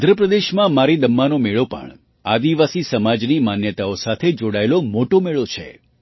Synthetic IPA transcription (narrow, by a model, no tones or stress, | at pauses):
d̪ʱɾəpɾəd̪eʃmãmaɾid̪əmːanomeɭopə̰ɳ | ad̪iʋasisəmad͡ʒnimanjət̪aosat̪ʰed͡ʒoɽaelomoʈomeɭot͡ʃʰḛ